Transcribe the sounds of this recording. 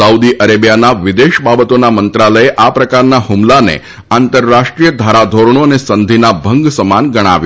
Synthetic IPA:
əud̪iʔəɾebjanaʋɪd̪eʃbabət̪onamənt̪ɾaləeʔapɾəkaɾnahumlanḛ | ant̪əɾːaʃʈɾijəd̪ʱaɾad̪ʱoɾɳ̃oənesənd̪ʱinabʱəŋɡsəmanɡəɽ̃a̰ʋj

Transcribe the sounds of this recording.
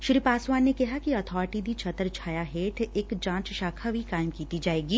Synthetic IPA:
ʃɾipaːswaːnːekɐɦakiɔt̪ʰɔːɾɪʈid̪it͡ʃʰɐt̪əɾt͡ʃʰaːjaɦeːʈ̪ʰekd͡ʒãːt͡ʃʃaːkʰabʱikaːɪmkiːt̪id͡ʒaːeːɡiː

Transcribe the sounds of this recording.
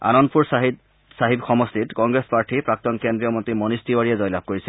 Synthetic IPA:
a̰nɔnpuɹsɦ | saɦibxʰɔmɔstitkɔŋɡɹespaɹʈʰipɹak̚t̪ɔnkendɹijɔmɔntɹimɔnistiwaɹiɛzɔjlab̚ʱkoɹisɛ

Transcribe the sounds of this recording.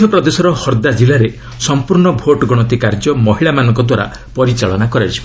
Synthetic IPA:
ɔpɾɔd̪esɔɾɔhɔɾd̪ad͡ʒilaɾe | sɔmpuɾɳɔbʱoʈɔɡɔɽ̃ɔt̪ikaɾd͡ʒɔmɔɦiɭamanɔŋkɔd̪waɾa̰ | pɔɾit͡ʃaɭɔnakɔɾat͡ʃʰib

